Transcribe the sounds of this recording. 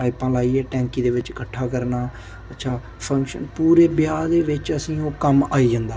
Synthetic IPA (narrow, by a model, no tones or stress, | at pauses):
aːɪpãːlaːiːɛːʈɛ̃ːŋkiːd̪eːʋɪt͡ʃkəʈʰːaːkəɾnaː | ətːʃʰaː | pʰə̃ŋkʃə̰npuːɾeːbjaːd̪eːʋɪt͡ʃəsĩːoːkəmaːiːd͡ʒãːnd̪aː